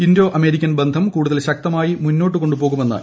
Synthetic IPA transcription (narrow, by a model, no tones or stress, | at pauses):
indo̞ːʔɐme̞ɾikʲːɐnbend̪ʱɐmkuːɽuðɐlɕɐk̚t̪ɐmaːjimunːo̞ːʈ̬ːɨko̞ɳɖupoːɣume̞nːa̰ːɨ